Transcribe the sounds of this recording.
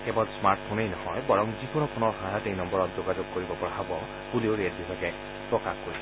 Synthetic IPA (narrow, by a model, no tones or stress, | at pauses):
kebɔlsmaɾʈ̚pʰonejnɔhɔjbɔɹɔŋzikɔnɔpʰonɔɹkʰatejnɔmbɔɹɔt̪̚zoɡad͡ʒoɡ̚koɹibɔpɔɹaɦɔbɔ | bulioɹet̚bisakɛ | pɹɔkakkoɹisʰ